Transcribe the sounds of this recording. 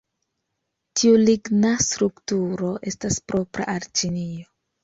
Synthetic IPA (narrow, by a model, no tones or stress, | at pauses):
tʰiuliɡnastɾuktuɾo̞ʔe̞staspɾo̞pɾa̰ʔaɾt͡ʃinio